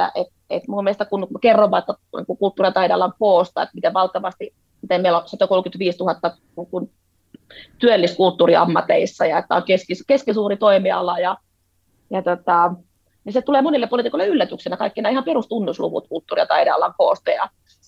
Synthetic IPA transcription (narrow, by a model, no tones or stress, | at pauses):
æ̰ʔet̪̚ | ḛt̪mumielest̪ækunkerːoʋːɑet̪ːænḭŋkukult̪ːuːriɑt̪ɑideɑlɑŋkoːst̪ɑ̰ḛt̪mit̪eʋɑlt̪ɑʋɑst̪i | mit̪emeilosɑt̪okolkyt̪ʋiːst̪uhɑt̪ːɑ | niːŋkun | t̪yølːiskult̪ːuːriɑ̰mːɑt̪eisːɑjɑet̪ːæ̰oŋkeskiskeskisuːrit̪oimiɑ̰lɑjɑ | jɑt̪ot̪ɑ | niset̪uleːmonilːepolit̪ikoileylːæt̪yksenækɑikːinæːihɑmperust̪unːuslṵʋṵt̪kult̪ːuːriɑ̰t̪ɑ̰ideɑ̰lɑŋkoˑːst̪ɑjɑ̰